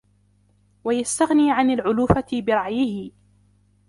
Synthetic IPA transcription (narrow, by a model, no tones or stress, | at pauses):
wajast̪aɣniːʕanalʕʊluːfabɪɾˤɑʕjɪhɪ